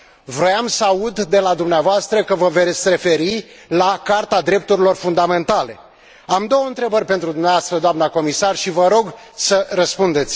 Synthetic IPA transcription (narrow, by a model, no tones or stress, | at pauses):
vɾojamsəaud̪ːe̞lad̪umneavoast̪ɾəkəvəve̞t̪sʲre̞fe̞ɾi | lakart̪ad̪ɾe̞p̚t̪uɾilo̞rfund̪ame̞nt̪ale̞ | amd̪o̞wəɨnt̪ɾe̞bərʲpe̞nt̪ɾud̪umneavast̪ɾəd̪oamnako̞misarʃivəɾo̞ɡ | sərəspund̪e̞t̪sʲ